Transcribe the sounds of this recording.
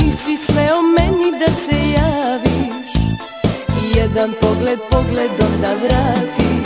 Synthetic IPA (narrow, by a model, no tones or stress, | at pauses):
isisʋɛomɛnid̪asɛjaːʋi | ʃ | ijɛd̪anpo̞ɡled̪̚po̞ɡled̪omd̪aʋɾaːt̪i